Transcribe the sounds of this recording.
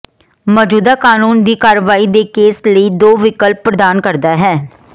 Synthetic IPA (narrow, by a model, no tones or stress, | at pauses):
mɔːd͡ʒuːd̪aːkaːnuːnd̪iːkaːɾʋaːiːd̪eːkeːsləiːd̪oːʋɪkəlpːɾəd̪aːnkəɾd̪aːɦɛː